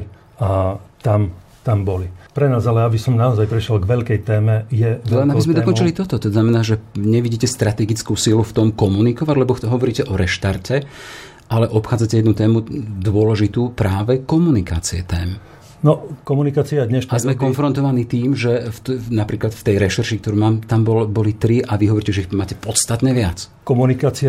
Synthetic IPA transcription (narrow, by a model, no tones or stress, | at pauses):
at̪am | t̪ambɔlipɾɛnaːzalɛjabisɔmnaɔzajpɾɛʃɛlɡʋɛʎkɛjt̪ɛːmɛjɛabizmɛd̪ɔkɔnt͡ʃilit̪ɔt̪ɔt̪ɔznamɛnaːʒɛɲɛʋiɟiːcɛst̪ɾat̪ɛɡit͡skusiluft̪ɔmkɔmunikɔʋaɟlɛbɔɦɔʋɔɾiːcɛʔɔɾɛʃt̪aɾcɛ | ʔalɛʔɔpxaːd͡zacɛjɛd̪nut̪ɛːmud̪ʊɔlɛʒit̪uːpɾaːʋɛkɔmunika̰ːt͡siɛt̪ɛːm | nɔkɔmunikaːt͡siad̪ɲɛʃazmɛkɔnfɾɔnt̪ɔʋaniːt̪iːmʒɛft̪napɾiːklat̪ft̪ɛjɾɛʃɛɾʃikt̪ɔɾuːmaːmt̪ambɔlbɔlit̪ɾiʔaʋiɦɔʋɔɾicɛʒɛixmaːcɛpɔt̪st̪at̪ɲɛʋɪat͡skɔmunikaːt͡sia